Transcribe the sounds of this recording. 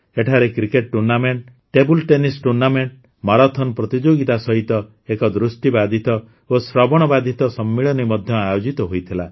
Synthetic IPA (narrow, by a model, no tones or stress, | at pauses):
eʈʰaɾekɾikeʈ̚ʈuɾnameɳʈ | ʈebulʈenisʈuɾnameɳʈ | maɾat̪ʰɔnɔpɾɔt̪id͡ʒoɡit̪asɔɦit̪ɔ | ekɔd̪ɾusʈibad̪ʱit̪ɔ | osɾɔbɔɽ̃ɔbad̪ʱit̪ɔsɔmːiɭɔnimɔd̪ʱjɔajod͡ʒit̪ɔɦojt̪ʰila